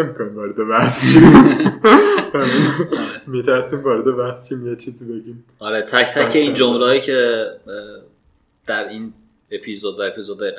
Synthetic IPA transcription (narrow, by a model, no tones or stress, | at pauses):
emikʰoniːmvɒːɾed̪evæhst͡ʃʰi | bæminmit̪ʰæɾsiːmvɒːɾed̪evæhst͡ʃʰimjet͡ʃʰiːzibe̞ɟiːm | ɒɾet̪ʰæct̪ʰækʰe̞ind͡ʒomlɒːjicʰe | d̪̥æɾin | epʰizod̪væepʰizod̪̚ːæiɣ